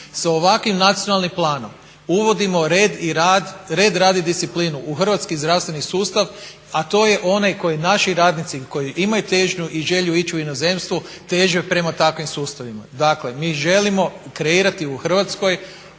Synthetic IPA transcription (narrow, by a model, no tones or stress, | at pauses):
saoʋakʋimnat̪sijonalˠnimplˠaːno̞m | uʋo̞d̪imo̞ɾed̪iɾad̪ɾe̞ːd̪ɾaːd̪id̪ist̪iplinuʔuxr̩ʋat̪skizd̪ɾaʋst̪ʋe̞nisuːst̪aʋ | at̪o̞ːje̞ʔo̞najko̞jinaʃiɾaːd̪nit̪siko̞jiʔimajut̪e̞ʒɲuʔiʒe̞ʎuit͡ɕuino̞ze̞mst̪ʋu | t̪e̞ʒepɾe̞mat̪akʋimsuːst̪aʋima̰d̪akle̞miːʒe̞limo̞kɾeiːɾat̪iuxr̩ʋat̪sko̞j